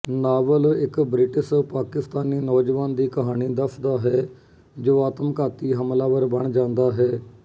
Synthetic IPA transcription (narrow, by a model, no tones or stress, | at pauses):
naːʋəlɪkbɾɪʈɪspaːkɪst̪aːniːnɔːd͡ʒʋaːnd̪iːkəɦaːɽ̃iːd̪əsʰd̪aːɦɛː | d͡ʒoːaːt̪əmkaːt̪iːɦəmlaːʋəɾbəɳd͡ʒãːnd̪aːɦɛː